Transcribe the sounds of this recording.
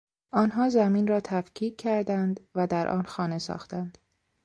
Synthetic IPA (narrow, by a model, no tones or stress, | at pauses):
ʔɒːnɦɒːzæmiːnɾɒːt̪ʰæfcʰiːcʰːæɾd̪ænd̪væd̪æɾʔɒ̰ːnxɒːne̞sɒ̰ːxt̪ænd̪̥